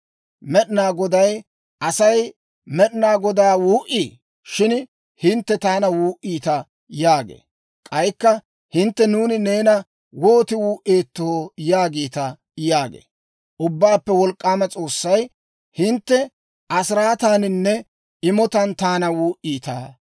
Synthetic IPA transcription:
mɛɗɪnaːɡɔd̪ɐj | ɐsɐj | mɛɗɪnaːɡɔd̪aːwuːʔiː | ʃɪn | hɪnt̪ːɛt̪aːnɐwuːʔiːt̪ɐ | jaːɡḛː | kʼɐjkːɐ | hɪnt̪ːɛnuːnɪne̞ːnɐ | woːt̪ɪwuːʔe̞ːt̪ːoojaːɡiːt̪ɐ | jaːɡḛː | ʔʊbːaːpːɛwɔlkʼːaːmɐt͡sʼo̞ːsːɐj | hɪnt̪ːɛ | ʔɐsɪɾaːt̪aːnɪnːɛ | ɪmɔt̪ɐnt̪aːnɐwuːʔiːt̪a̰ː

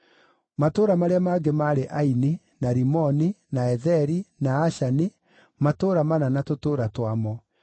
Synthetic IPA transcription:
matoːɾamaɾeamaːɡemaɾeʔaini | naɾimɔninaɛðɛɾinaːʃani | matoːɾamananatotoːɾatwamɔ

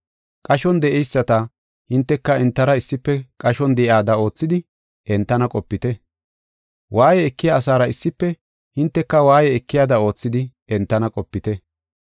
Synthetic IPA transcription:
kʼɐʃɔnd̪ɛʔɛjsːɐt̪ɐ | hɪnt̪ːɛkːɐɛnt̪ːɐɾɐɪsːɪpːɛkʼɐʃɔnd̪ɛʔjaːd̪ɐo̞ːt͡sːɪd̪ɪ | ɛnt̪ːɐnɐkʼɔpːɪt̪ɛ | waːjɛːkːɪjaːs̬aːɾɐɪsːɪpːɛ | hɪnt̪ːɛkːɐwaːjɛɛkːɪjaːd̪ɐo̞ːt͡sːɪd̪ɪ | ɛnt̪ːɐnɐkʼɔpːɪt̪ɛ

